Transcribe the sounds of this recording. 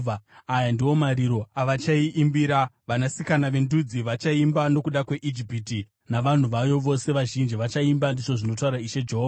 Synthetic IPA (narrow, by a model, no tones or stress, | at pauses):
vaajandiwo̞maɾiɾo̞aʋat͡ʃaiʔimbiɾaʋanasikanaʋe̞ndud͡ziʋat͡ʃaimbano̞kuɗakwe̞ʔid͡ʒipiti | naʋan̤uʋajo̞ʋo̞se̞ʋaʒind͡ʒiʋat͡ʃaimbandiʐo̞ʐino̞t̬auɾaiʃe̞d͡ʒeɦoːva